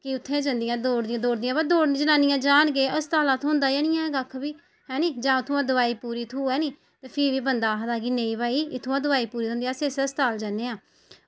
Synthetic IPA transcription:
kɪʊt̪ʰːẽːd͡ʒə̃nd̪ɪjãːd̪oːɽd̪ɪãːd̪oːɽd̪ɪjãːbəd̪oːɽd͡ʒənaːnɪjãːd͡ʒaːnɡeːʔəst̪aːlãːt̪ʰõnd̪aːjanɪjãːɡakʰːbiː | ɦɛːniːd͡ʒãːʊt̪ʰːʊãːd̪ʊʋaːiːpuːɾiːt̪ʰuːɛːniː | t̪eːpʰɪʋiːbənd̪aːɦd̪aːɡiːneːĩːbaːiːɪt̪ʰːuːãːd̪ʊʋaːiːpuːɾiːt̪ʰʊ̃ːnd̪ĩjãːseːsɛːst̪aːld͡ʒaneːãː

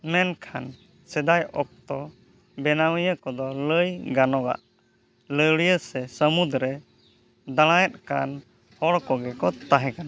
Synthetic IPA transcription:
mɛnkʰan | sɛd̪ajɔk̚t̪ɔ | bɛnawɛjəkɔd̪ɔləjɡanɔɡa̰ʔ | ləɽjəsɛsəmud̪ɾɛ | d̪aɽ̃ãjɛt̪̚kan | hɔɽkɔɡɛkɔt̪aɦɛ̃kana

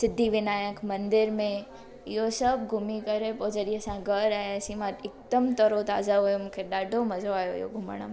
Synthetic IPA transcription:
sɪd̪ʱːiʋɪnaːjəkʰmɐ̃nd̪ɪɾmẽ | ɪɦosɐb̚ɡʱʊmikɐɾepoːd͡ʒɐɗĩɦəsãɡʱɐɾaɛsimãɪk̚d̪əmt̪ɐɾot̪aːzaɦujomũːkʰeɗaːɖʱomɐzoaːjoɪ̰ɦo̰ɡʱʊmə̰ɽ̃m

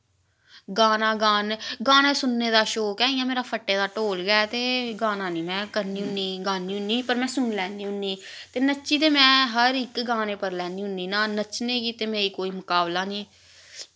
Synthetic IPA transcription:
ɡaːnãːɡaːnɡaːnẽːsʊnːeːd̪aːʃoːkɛ̃ːiːãːmeːɾaːpʰəʈːeːd̪aːʈoːlɡaːt̪eːɡãːnãːniːmɛ̃ːkəɾniːɦʊniːɡãːniːʊniːpəɾmɛ̃ːsʊnlɛːniːɦʊnːiːt̪eːnət͡ʃiːt̪eːmɛ̃ːɦəɾɪkɡãːneːpəɾlɛːniːɦʊnd̪iːnãːnət͡ʃneːɡiːt̪eːmeːiːkoːiːmʊkaːblaːniː

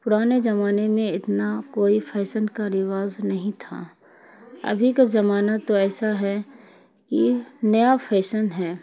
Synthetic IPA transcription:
pʊɾaːnezɐmaːnemẽɪt̪nakoːipʰɛːsənkaɾɪʋaːznɐɦĩt̪ʰa̰ | ɐ̰bʱikazɐmaːnat̪oɛːsaɦɛ | kinɐjapʰɛːsənɦɛː

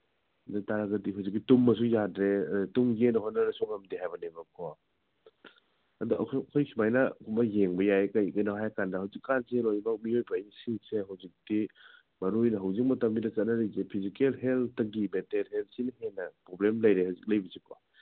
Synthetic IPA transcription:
dataɾaɡɐdiɦawzik̚ːitumːɐs̬ujadɾeɐdutuŋɡenɐɦonɐɾesɔŋɐmdiɦajbɐnebɐkʰɔ | ɐ̰duʔɐ̰kʰːkʰojkʰimajnɐkumɐjeŋbɐjajkɐjɡɐnaɦajkʰandɐɦawzikːanzelojmak̚miojbɐːjnisiŋseɦɐwzik̚d̥i | mɐɾojnɐɦɐwzik̚mɐtɐmbidɐsɐtnɐɾizepʰizikelɦelt̚ʰɐɡibetelhelt̚sinɐhenɐpɾoblemlɐjɾehawzik̚lɐjbizikʰɔ

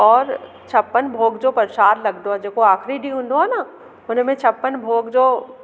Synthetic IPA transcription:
ɔːɾ | t͡ʃʰɐpːənbʱoːɡd͡ʑopɐɾʃaːɾlɐɡd̪oɦad͡ʑeːkoaːxɾiɖiɦʊ̃ːnd̪oɦaːna | ʊnmẽt͡ʃʰɐpːənbʱoːɡd͡ʑoː

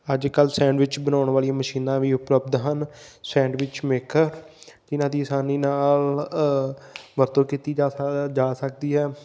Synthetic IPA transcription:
əd͡ʒkəlsɛ̃ːɳɖʋɪt͡ʃbənaːʊɳʋaːliaməʃiːnãːʋiːʊpləb̚d̪ɦənsɛ̃ːɳɖʋɪt͡ʃmeːkəɾd͡ʒɪnãːd̪iːəsaːniːnaːl | ʋəɾt̪õːkiːt̪iːd͡ʒd͡ʒaːsək̚d̪iːɦɛː

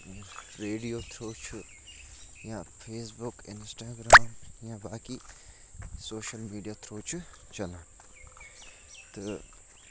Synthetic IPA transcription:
ɾeːɖijoːt̪ʰɾoːt͡ʃʰu | jãpʰeːsbʊkɪnsʈaːɡɾaːmjãbaːki | soːʃəlmiːɖijaːt̪ʰɾoːt͡ʃʰu | t͡ʃɐlãː | t̪ɨ

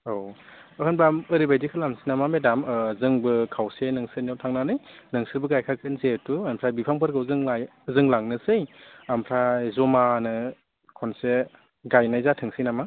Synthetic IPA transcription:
o | ɯhɯnbʰamɯɾibajdikʰɯlamsinamamedamzɯŋbɯkʰawsenɯŋsɯnawtʰaŋnanɯjnɯŋsɯɾbɯɡajkʰakʰɯnzetuampʰɾajbipʰaŋpʰɯɾɡɯzɯŋajzɯŋlaŋnɯsɯjampʰɾajzɔmanɯ | kʰɔnse | ɡajnajzatʰɯŋsinama

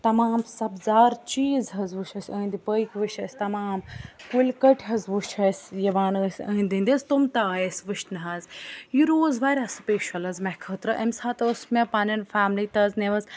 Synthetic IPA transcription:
t̪ɐmaːmsɐbzaːɾt͡ʃiːzɦɐzʋuʃʰɐsʲəːnd̪ipəjkʋɨʃʰɐsʲt̪ɐmaːmkulʲkɐʈʰɦɐzʋuʃʰɐsʲjɐʋaːnəːsʲə̰̃ːnʲd̪ind̪izt̪umt̪ajesʋɨʃnɐɦaːzjiɾoːzʋaːɾʲasɨpeːʃɐlɐzmɐkʰɐːt̪ɾɐʔɐmsaːt̪əsmepaːnɐnfaːmliːt̪ɐzneʋɐz

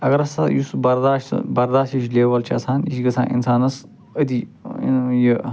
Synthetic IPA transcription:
ɐɡɐɾɐsɐ̰jusbɐɾd̪aːʃt̪bɐɾd̪aːʃt̪jiʃlʲeːʋɐlt͡ʃʰiɐsʰaːniʃɡɐsʰa̰ːnʔḭnsaːnɐs | ɐd̪ḭnji

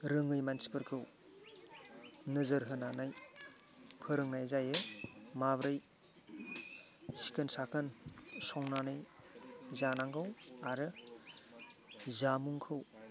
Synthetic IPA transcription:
ɾɯŋɯjmansi̥pɯɾkʰɯw | nɯzɯɾɦɯnanaj | pʰɯɾɯŋnajzajɯmabɾɯj | si̥kʰɯnsakʰɯnsɔŋnanɯj | zanaŋɡɯwaɾɯ | zamuŋkʰɯw

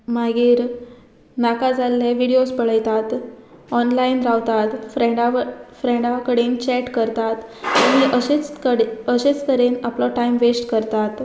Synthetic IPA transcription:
maɡiːɾ | nakad͡zalːjaʋiɽiospəɭəjt̪at̪ɔnlainɾaʋt̪at̪fɾɛ̃ɖafɾẽɽakəɽent͡ɕɛʈkəɾt̪at̪aɽ̃iʔəet͡səɕet͡st̪əɾenaplɔʈaimʋesʈkəɾt̪at̪

